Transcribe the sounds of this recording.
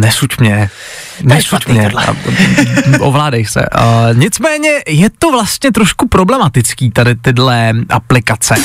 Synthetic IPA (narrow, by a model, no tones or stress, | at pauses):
nɛsucmɲɛ | nɛsucmɲɛ̰ | ʔovlaːdɛjsɛ̰ʔɲɪt͡smɛːɲɛjɛt̪ovlast̪ɲɛt̪ɾoʃkupɾoblɛmat̪ɪt͡skiːt̪adɪt̪ɪdlɛʔaplɪkat͡sɛ